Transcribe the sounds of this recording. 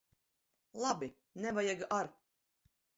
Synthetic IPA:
lˠabi | nɛvajaɡaɾ

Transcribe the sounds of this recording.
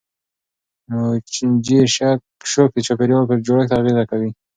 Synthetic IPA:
nod͡ʒiʃakʃok̚d̪et͡ʃopeɾopeɾd͡ʒoɽakt̪aːɣezakawi

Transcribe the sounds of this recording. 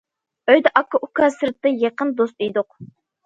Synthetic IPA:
øjd̪ɛʔɑkʰːɑʔukʰɑnsɨɾt̪ːɨjɑqənd̪ost̪ijd̪ʊq̚

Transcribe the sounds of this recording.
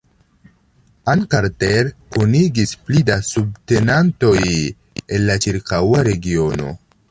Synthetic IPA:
ankaɾteɾkuniɡisplidasub̚te̞nanto̞j | enlat͡ʃiɾkawaɾe̞ɡio̞no̞̰

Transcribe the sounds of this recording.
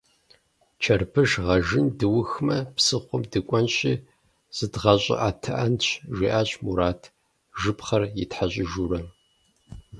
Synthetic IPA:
t͡ʃʰɐrpʰɨʒʁɐʒɨndɨwʊxmɐpsɨχʷʊmdɨkʷʼɔnɕʼiː | z̥ɨdʁɐɕʼɪ̰ʔaːtʰɐʔɐnɕʰʒʷiːʔaːɕʼmuɾaːtʰ | ʒɨpχɐrjɪtħaɕʼɪʒuːɾɐ

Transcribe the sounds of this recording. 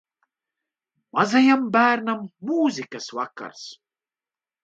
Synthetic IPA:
mɐzɐjɐmbaːɾnɐmːuːzikɐswakːɐ̰ɾs

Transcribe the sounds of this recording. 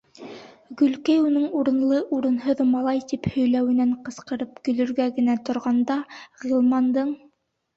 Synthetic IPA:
ɡɵ̆lkæjunɤɴuɾɤ̆nlˠɤʔuɾɤ̆nɦɤðmɑlˠɑjt̪iphɵ̆jlæwɘ̆næɴqɤ̆sqɤ̆ɾɤp̚kɵ̆lɵ̆ɾɡæɡɘ̆næt̪ŏɾʁɑnd̪ɑʁilˠmɑnd̪ɤɴ

